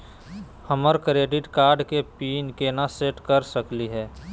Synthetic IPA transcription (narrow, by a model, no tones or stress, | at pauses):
həməɾkɾeːɖɪɖkaːɾɖkepiːnkenaseːʈkəɾsəkliɦɛː